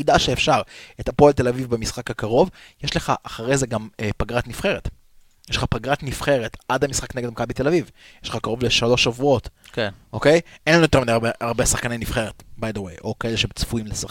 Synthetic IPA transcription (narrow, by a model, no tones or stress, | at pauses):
id̪aʃeefʃaʁet̪apoalt̪e̞lavivbemisχakakaʁo̞vjeʃleχaʔaχaʁejzeɡamepaɡʁat̪nifχe̞ʁet | jeʃle̥χapaɡʁat̪nifχe̞ʁet̪ʔad̪hamisχakneɡedmakabit̪e̞lavivjeʃleχakaʁo̞vleʃalo̞ʃavuo̞t̪kʔokejʔenlanujotmid̪eabeaʁbesaχkanenifχe̞ʁet̪bad̪awejʔo̞kaeleʃemt͡sfuimlesaχ